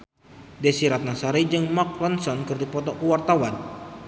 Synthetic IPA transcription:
dɛsiɾat̪̚nasaɾid͡ʒəŋmaklɔnsɔnkɨrdipɔt̪ɔkuwart̪awan

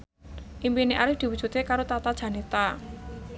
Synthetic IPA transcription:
ʔimpineʔaɾɪfd̪̥i̤wud̥ʒ̥ṳt̪ekaɾot̪at̪ad̥ʒ̥a̤net̪a

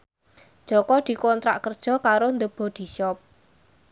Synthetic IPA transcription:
d̥ʒ̥ɔ̤kɔd̪̥i̤kɔnt̪ɾa̰ʔkərd̥ʒ̥ɔ̤kaɾond̪əb̥ɔ̤d̪̥i̤ʃɔp̚

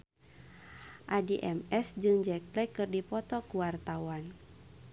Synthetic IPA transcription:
ʔadiʔɛmɛsd͡ʒɨŋd͡ʒɛklɛkːɨrdipɔt̪ɔkuwart̪awan

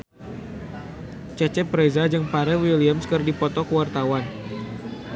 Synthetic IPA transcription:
t͡ʃɛt͡ʃɛt̪̚pɾezad͡ʒɨŋpaɾɛwiliamskɨrdipɔt̪ɔkəwart̪awan

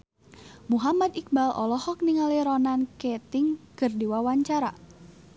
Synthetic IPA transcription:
muɦamad̪ik̚balʔɔ̰lɔhɔk̚niŋaliɾɔnankɛt̪iŋkɨrdiwawaɲt͡ʃaɾa̰

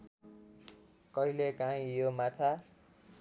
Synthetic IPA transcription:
kʌilekãĩjomat͡sʰa

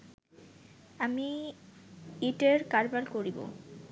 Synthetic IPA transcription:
ami | iʈeɾkaɾbalkoɾibo̰

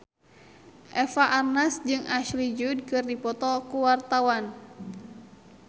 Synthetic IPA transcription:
ʔɛfaʔarnasd͡ʒɨŋaʃlid͡ʒud̚kɨrdipɔt̪ɔkuwart̪awan

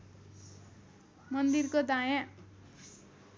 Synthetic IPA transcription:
mʌnd̪irkod̪ajã

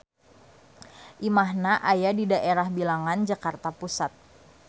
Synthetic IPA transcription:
ʔimaɦnaʔajadidaʔeɾahbilaŋand͡ʒakart̪apusat̪̚

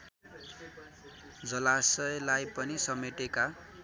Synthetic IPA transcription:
d͡zʌlasʌjlajpʌnisʌmeʈeka

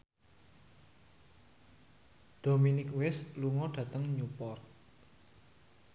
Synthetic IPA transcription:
ɖ̥o̤minikwɪsluŋɔɖ̥ä̤t̪əŋɲupɔrt̪̚

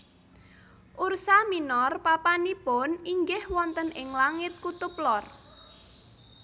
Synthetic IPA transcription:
ʔursaminɔrpapaniponiŋɡɪhwɔnt̪ənɪŋlaŋɪt̪̚kut̪ʊplɔr

